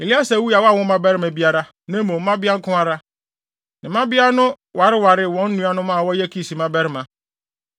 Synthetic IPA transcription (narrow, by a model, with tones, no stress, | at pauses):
e˨li˦a˦sa˨wu˦a˨wɔ˦a˦˨wɔ̃˦mã˦bɛ˦ɾɪ˦mæ̃˨bi˦a˦ɾa˦ | nã˦mõ˨m˦mã˦bɪ˦a˦ŋ̩˦kʰʊ̃˦a˦ɾa˦ | nɪ̃˨mã˦bɪ˦a˦nʊ̃˦ | wa˨ɾɪ˦wa˨ɾɪ˦˨wɔ̃˦n̩˦nũ˦a˦nʊ̃˦mãː˦˨wɔ˦jɛ˦kʰi˦˨si˨mã˦bɛ˦ɾɪ˦mã˨